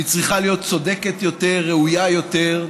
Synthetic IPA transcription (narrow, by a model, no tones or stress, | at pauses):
it͡sʁiχalijo̞t̪̚t͡so̞d̪e̞ket̪jo̞t̪e̞ʁːeujajo̞teʁ